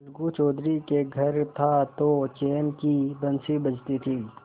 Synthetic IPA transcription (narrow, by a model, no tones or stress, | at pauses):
lɡut͡ʃɔːd̪ɾikeɡʱɐɾt̪ʰat̪ot͡ʃeːnkibɐnsibɐd͡ʒt̪it̪ʰiː